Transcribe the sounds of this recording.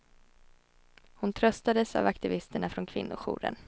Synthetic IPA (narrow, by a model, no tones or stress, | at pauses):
hʊnt̪ʰɾœst̪ad̪əsa̰vakt̪ɪvɪst̪əɳafɾɔnkʰvɪnːʊɧṵːɾə̰n